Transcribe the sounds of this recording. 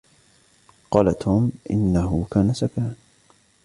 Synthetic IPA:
qɑːlat̪ʰuːmʔɪ̰nːaɦʊkaːnasakaːʕn

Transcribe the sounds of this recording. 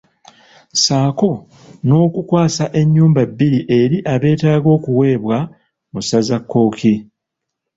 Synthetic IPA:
saːko̞ | no̞ːkukwaːsaʔe̞ɲːuːmbabːiɾiʔe̞ɾiʔaβe̞ːtaːɡo̞ːkuwe̞ːβwa | musazakːo̞ːki

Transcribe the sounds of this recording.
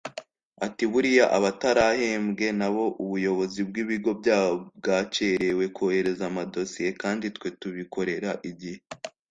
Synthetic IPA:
atiβuɾijaʔaβataɾahe̞ːmɡe̞naβo̞ʔuβujo̞βozib̚ɡiβiɡo̞bɟaːβob̚ɡaːt͡ʃeɾe̞we̞kohe̞ɾe̞zamado̞sije̞kaːnditkwe̞tuβiko̞ɾe̞ɾaʔiɟihe

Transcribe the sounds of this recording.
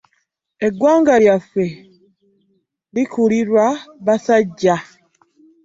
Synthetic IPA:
e̞ɡwaːŋɡaljafe̞ | likuliɾwaβasaɟːa

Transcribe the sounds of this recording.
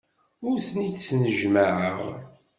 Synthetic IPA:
ʊɾθnit͡ssnəʒməʕəʁ

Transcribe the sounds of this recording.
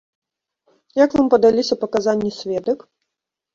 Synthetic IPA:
jakvampɐd̪alʲisʲɐpɐkazanʲːisʲvʲɛd̪ɐk

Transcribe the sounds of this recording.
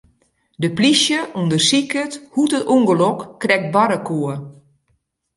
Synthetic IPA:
dəplisjəʔundərsikəthutətuŋɡəlɔkːrɛk̚t̚baɾəkʰoə

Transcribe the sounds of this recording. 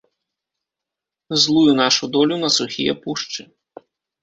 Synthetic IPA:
zlˠujunaʂud̪ɔlʲunɐsuxʲḭjɛ̰puʂt͡ʂɨ

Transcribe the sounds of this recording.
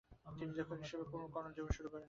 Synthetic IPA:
t̪ind͡ʑɔkʰaɦiʃebekonokɔnod͡ʑoboʃuɾukɔɾen

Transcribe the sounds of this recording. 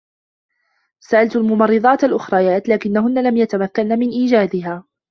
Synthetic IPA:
saʔalt̪almʊmɑrˤːɨd̪ˤɑːt̪alʔʊxɾˤɑjaːt̪laːkɪnːaɦʊnːalamjat̪amakːanːamɪnʔiːd͡ʒaːd̪ɪɦaː

